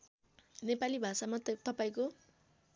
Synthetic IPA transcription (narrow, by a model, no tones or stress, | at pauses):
nepalibʱasamat̪ʌpaĩko